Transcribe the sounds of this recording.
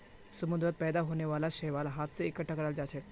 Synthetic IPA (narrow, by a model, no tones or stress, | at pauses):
səmud̪ɾət̪̚pɛd̪aɦoneʋalaɕeʋalɦat̪ʰseikəʈʰːakəɾald͡zat͡ɕʰeʈ